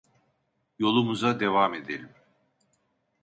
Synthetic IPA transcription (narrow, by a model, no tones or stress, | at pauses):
jo̞lˠumuzad̪evame̞d̪elʲim